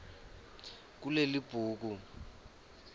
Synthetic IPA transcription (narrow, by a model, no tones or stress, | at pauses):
k̬ulelib̥ʱuːk̬u